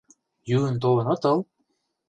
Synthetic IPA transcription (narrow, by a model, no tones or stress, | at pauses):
jyənt̪oɤ̆nɤ̆t̪ɤlˠ